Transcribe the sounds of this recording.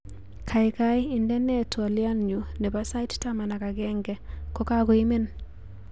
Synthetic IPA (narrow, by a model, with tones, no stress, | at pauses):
kʰa˨ɪ˨kaji˨ndɛ˦nɛ˦twa˨lja˦nɲu˨nɛ˨pasa˦jttama˨na˨ka˨ɡɛ˦ŋɡɛ˨kɔ˦ka˦ɡo˨i˦me˦n